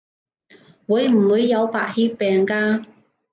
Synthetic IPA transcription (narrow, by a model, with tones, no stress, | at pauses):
wuː˨˧˥jm̩˨˩wuː˨˧jːɐ˨˧wpaː˨˧t̚hiː˥pːɛː˨˩ŋkaː˧